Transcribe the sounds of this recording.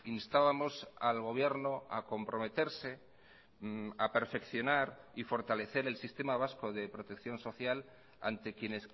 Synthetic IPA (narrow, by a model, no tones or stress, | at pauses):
inst̪aβamo̞salɣ̞o̞β̞je̞ɾnoa̰ko̞mpɾo̞met̪e̞ɾse̞ | ape̞ɾfe̞kθjo̞naɾifo̞ɾt̪ale̞θe̞ɾe̞lsist̪e̞maβ̞asko̞ðe̞pɾo̞t̪e̞kθjo̞nso̞θjal | a̰nt̪e̞kje̞ne̞s